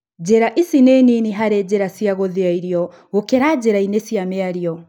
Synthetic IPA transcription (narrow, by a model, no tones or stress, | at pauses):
d͡ʑɛɾaʔisinɛniniɦaɾɛd͡ʑɛɾasiaɣɔðiaiɾjɔ | ɣokɛɾad͡ʒɛɾainesiamɛaɾiɔ